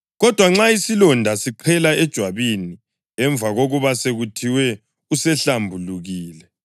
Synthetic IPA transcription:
ɣɔd̥ʱwaŋ͡ǁaisilɔndʱasiǃʰɛlaɛd̥ʒ̥ʱwaβini | ɛɱb̪vaɣoɣuβaseɣutʰiwɛ | usɛɬambʱuluɣiːlɛ

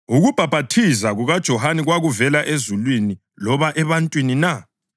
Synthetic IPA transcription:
uɣub̥ʱab̥ʱatʰizaɣuɣad̥ʒ̥ʱɔhaniɣwaɣuvɛlaʔezulwini | lɔβaʔɛβantʼwinina

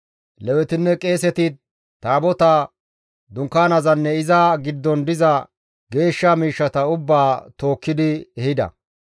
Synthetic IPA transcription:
lɛwɛt̪ɪnːɛkʼe̞ːsɛt̪ɪ | t̪ːaːbɔt̪ɐ | d̪ʊŋkːaːnɐzɐnːɛɪzɐɡɪd̪ːɔnd̪ɪzɐ | ɡe̞ːʃːɐmiːʃːɐt̪ɐʊbːaːt̪o̞ːkːɪd̪ɪɛhɪd̪ɐ̰

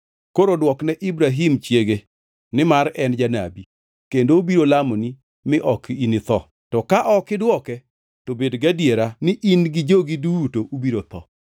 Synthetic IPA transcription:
koɾodwɔknɛʔɪbɾaɦimt͡ʃjeɡe | nɪmaɾɛnd͡ʒana̰bi | kendoubiɾolamoni | mɪʔɔkinɪt̪ɔ | tɔkaʔɔkɪdwɔkɛ | tobedɡadjeɾanɪʔinɡɪd͡ʒoɡidutoʔubiɾot̪ɔ̰

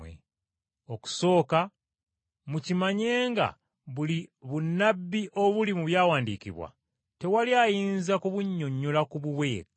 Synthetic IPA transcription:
ḛ | oku̥so̞ːka | mucimaɲe̞ːŋɡa̰ | βuliβunːabːiʔo̞βulimuβjaːwaːndikḭβwa̰ | te̞waliajiːnzakuβuɲːo̞ɲːulakuβuβwe̞ːk

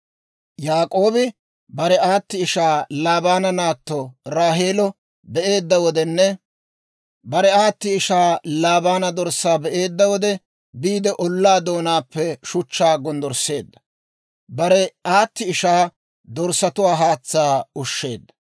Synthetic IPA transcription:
jaːkʼo̞ːbɪ | bɐɾɛaːt̪ːɪɪʃaːlaːbaːnɐnaːt̪ːɔɾaːɦeːlɔ | bɛʔe̞ːd̪ːɐwɔd̪ɛnːɛ | bɐɾɛaːt̪ːɪɪʃaːlaːbaːnɐd̪ɔɾsːaːbɛʔe̞ːd̪ːɐwɔd̪ɛ | biːd̪ɛʔɔlːaːd̪o̞ːnaːpːɛʃʊt͡ʃːaːɡɔnd̪ɔɾse̞ːd̪ːɐ̥ | bɐɾɛaːt̪ːɪɪʃaː | d̪ɔɾsɐt̪ʊwaːɦaːt͡sːaːʊʃːe̞ːd̪ːɐ̥

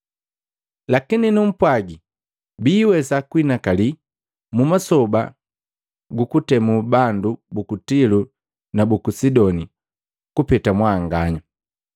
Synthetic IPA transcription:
lakininum̩pwaɡi | biːwɛsakwinakali | mumasɔba | ɡukutɛmubandubukutilu | nabukusidɔni | kupɛtamwaŋɡaɲa

